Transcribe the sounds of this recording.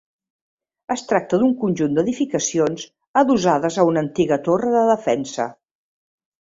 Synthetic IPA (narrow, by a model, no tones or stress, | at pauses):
əst̪ɾak̚t̪əðuŋkunʲʒund̪əðifikəsionz | əðuzaðəzəunənt̪iɣət̪orəðəðəfɛnsə̰